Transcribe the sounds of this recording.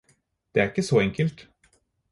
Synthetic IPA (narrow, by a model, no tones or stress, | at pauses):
d̪̥ɛæɾɪkːəsɔɛŋkəlt̪